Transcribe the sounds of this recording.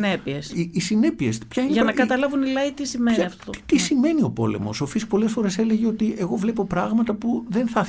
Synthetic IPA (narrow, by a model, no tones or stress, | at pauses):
nepiesiːsine̞pie̞spçɐineʝɐnɐkɐt̪ɐlɐvunilɐit̪isimeniɐft̪o̥t̪isime̞nio̞po̞̰le̞̰mo̞̰so̞fiskpo̞le̞sfo̞ɾe̞se̞le̞ʝeo̞t̪ie̞ɣo̞vle̞po̞pɾɐɣmɐt̪ɐpuðe̞nθɐ